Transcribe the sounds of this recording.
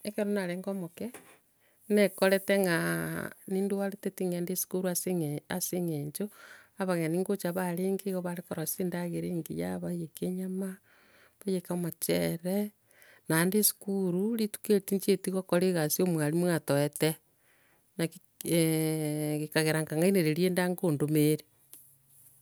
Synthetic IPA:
ekeɾonaɾeŋɡomoke | nekoɾeteŋɡa | niːnduwaɾetetiŋendesu̥kuɾuaseŋeaseŋeɲt͡ʃoaβaɣeaniːŋɡot͡ʃaβaɾeːŋɡeɣoβaɾekoɾasiːndaɣeɾeːŋɡḭja̰βajekeɲama | βajekamat͡ʃḛɾe | nandesu̥kuɾuɾitu̥ketiɲt͡ʃetiɣokoɾeɣasiomwalimwatoɛte | naki | ɣekaɣeɾaŋkaŋɡaineɾeɾjeːndaŋɡoːndomeɾe

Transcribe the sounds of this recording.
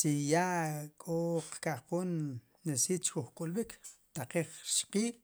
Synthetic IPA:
t͡ʃijaʔkʼoqkaχpoːnː | esiːt͡ʃkuχkʼulɓikt̪aqiːχʃqiːl

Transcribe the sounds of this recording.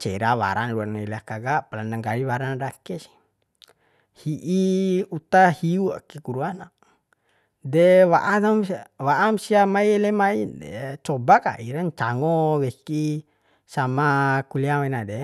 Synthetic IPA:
t͡ʃɛɾawa̰ɾaŋluanailɛakaɡapalandaŋɡaliwaɾanadakɛsi̥ | hiʔiut̪ahiua̰kikuɾuana | dɛwa̰ʔanamwaʔamsiamaielɛmaidɛ̰t͡ʃɔbaka̰ʔiɾaɲt͡ʃaŋɔwɛki | samakuliawɛnadɛ

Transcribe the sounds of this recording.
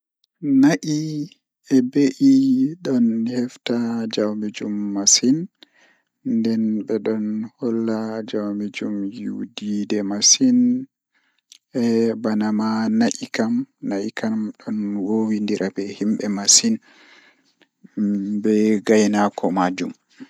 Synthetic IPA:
naʔi | ɛbeʔiɗɔnhɛftad͡ʒawmid͡ʒumːasin | ndɛnɓɛɗɔnhɔlːad͡ʒawmid͡ʒumjudidɛmasin | ɛbanamanaʔikamnaʔikamɗɔnwowindiɾʔabɛhimɓɛmasin | bɛɡajnakʰɔmad͡ʒṵm

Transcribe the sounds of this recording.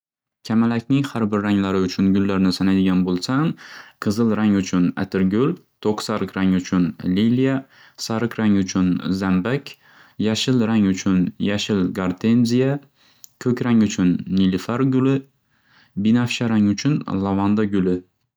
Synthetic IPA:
kʲʰamalakʲnɪŋhaɾbɪɾːaŋlaɾɪʊt͡ʃʰʊnɡʊlːaɾnɪsanajd̪ɪɡʲanbolˠsanqʰɨzɨlˠɾaŋʊt͡ʃʰʊna̰t̪ʰɪɾɡʲʊlt̪ʰoqsaɾɨqɾaŋʊt͡ʃʰʊnlilija | saɾɨqɾaŋʊt͡ʃʰʊnzambakʲ | jaʃɪlɾaŋʊt͡ʃʰʊnjaʃɪlɡaɾt̪ʰe̞nzija | kʲʰɵkʲɾaŋʊt͡ʃʰʊnːilɪfaɾɡʊlɪ | bɪnafʃaɾaŋʊt͡ʃʰʊnlˠavand̪aɡʲʊlɪ

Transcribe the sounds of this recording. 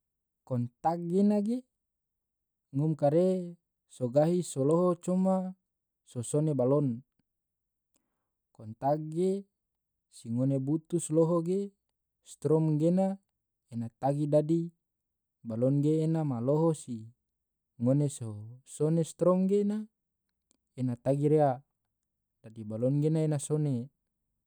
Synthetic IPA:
kɔnt̪ak̚ɡenaɡe | ŋumkaɾe | soɡaɦisoloɦot͡ʃuma | sosonebalɔn | kɔnt̪ak̚ɡe | siŋonebut̪usloɦoɡe | st̪ɾɔmɡena | enat̪aɡidadi | balɔnɡeːnamaloɦosi | ŋonesosonest̪ɾɔmɡena | enat̪aɡiɾea | d̥adibalɔnɡenaenasone

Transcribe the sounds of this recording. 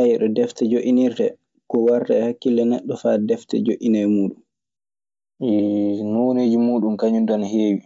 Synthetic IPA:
ajiɗɔdɛftɛd͡ʒoʔiniɾdɛ | kɔwaɾdɛhakːilːɛnɛɗːɔfadɛftɛ̰d͡ʒoʔinɛmuːɗum | noneːd͡ʒimuːɗumkaɲundanheːwi

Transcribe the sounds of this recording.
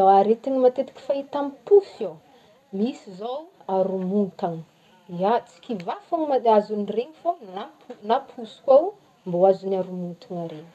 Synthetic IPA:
aaɾet̪inimat̪et̪i̥kʲi̥fait̪amipufow | misizow | aɾumunt̪aŋə | iat͡si̥kʲivafaŋimaazunireŋifanapunapʰusu̥kʲaw | mboazunaɾumunt̪aŋaɾenə̥

